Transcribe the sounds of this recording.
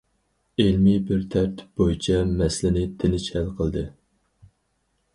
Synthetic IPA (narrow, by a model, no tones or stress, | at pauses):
elmibɪɾt̪ʰɛɾt̪b̥ojit͡ʃʰɛmɛslɪnɪt̪ʰɪnɪt͡ʃhɛlqʰəlˠd̪ɨ